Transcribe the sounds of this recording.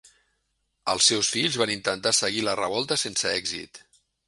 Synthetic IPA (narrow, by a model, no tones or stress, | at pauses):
ə̰lˠsːɛwsfiʎzβanint̪ənt̪asəɣilərəβɔlˠt̪əsensəɛɡzḭt̪